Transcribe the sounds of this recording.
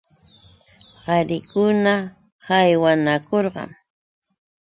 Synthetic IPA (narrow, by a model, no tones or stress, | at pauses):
hɑɾɪkʊna | hajwanakoɾɢɑ̰ŋ